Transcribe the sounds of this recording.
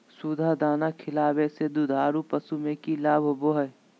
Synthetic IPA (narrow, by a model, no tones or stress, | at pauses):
sud̪ʱad̪aːnakʰɪlaːbesed̪ud̪ʱaːɾupɐsumẽkilaːbʱboɦə